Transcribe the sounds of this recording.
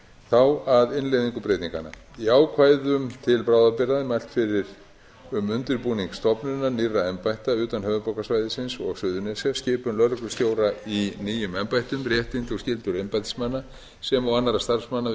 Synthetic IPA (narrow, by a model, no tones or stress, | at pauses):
θawaðɪnlejðiŋkʏpɾejt̪iŋka̰na̰ | iaːwkʰvaːjðʏmt̪ʰɪlpɾaːwðapɪɾaðɪmajl̥t̪fɪɾɪɾ̥ | ʏmʏnt̪ɪɾpuniŋkst̪ɔpnʏnːanirːaɛmpajht̪aʏːt̪anɦœːvʏpawkasvajðɪsɪnsɔɣsʏːðʏnɛsascɪːpʏmlœlklʏst̪joːwɾainiːjʏmɛmpajht̪ʏmrjɛht̪int̪ɔɣscɪlt̪ʏɾɛmpajt̪smanːa | sɛmawanːaɾast̪aɾ̥fsmanːa